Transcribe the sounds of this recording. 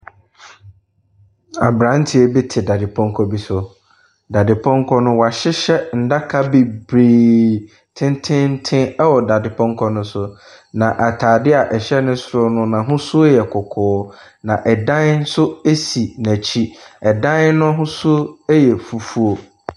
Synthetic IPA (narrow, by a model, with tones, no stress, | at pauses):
a˨bɾã˨˦n˦tʰi˨e˦bi˦tʰɪ˨da˨dɪ˨pʰɔ̃˦ŋ˦kʰɔ˦bi˦sʊ˨ | da˨dɪ˨pʰɔ̃˦ŋ˦kʰɔ˦nʊ̃˦wa˨ɕɪ˦ɕɛ˦n̩˨da˦kʰa˦bi˨bɾi˨ | tʰɪ̃˦ntʰɪ̃˦n̩˦tʰɪ̃˦ɛ˦wɔ˨da˨dɪ˨pʰɔ̃˦ŋ˦kʰɔ˦nʊ̃˦sʊ˨ | nã˨ʔa˨tʰaː˨dɪ˦a˨ʔɛ˨ɕɛ˦nʊ̃˦sʊ˦ɾʊ˦nʊ̃˦nã˨ɦʊ̃˦sʊ˦jɛ˨kʰʊ˨kʰʊː˨˦ | nã˨ʔɛ˨dã˦n˦n̩˦sʊ˦e˦si˨næ̃˨t͡ɕʰi˦ɛ˨dã˦nnʊ̃˦ɦʊ̃˦sʊ˦jɛ˨fu˨fu˦o˨